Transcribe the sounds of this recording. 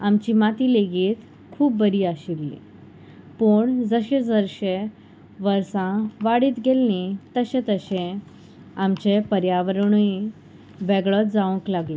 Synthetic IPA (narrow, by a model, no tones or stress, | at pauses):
amt͡ɕimat̪iːleɡiːt̪ | kʰuːpbəɾiːaɕilːḭ̃ | puɳd͡zəɕẽd͡zəɾɕe | ʋəɾsãʋaɽiːt̪ɡelnit̪əɕẽt̪əɕẽ | amt͡ɕepəɾjaʋəɾɳ̃ui | ʋɛɡɭɔt̪̚d͡zaʋə̃klaɡlɔ